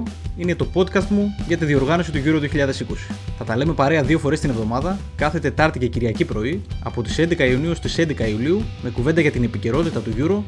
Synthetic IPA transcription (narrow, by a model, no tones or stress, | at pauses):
ine̞t̪o̞po̞t̪kɐst̪muʝɐt̪iðio̞ɾɣɐno̞sit̪uʝuɾoðio̞çiʎɐðe̞siko̞si̥θɐt̪ɐleme̞pɐɾe̞ɐðio̞fo̞ɾest̪inevðo̞mɐðɐ | kɐθe̞t̪e̞t̪ɐɾt̪iceciɾʝɐcipɾo̞iɐ̰po̞t̪i̥se̞nd̪e̞kɐiuniost̪ise̞nd̪ekɐiuliume̞kuve̞nd̪ɐʝɐt̪ine̞pice̞ɾo̞t̪it̪ɐt̪uʝuɾo̞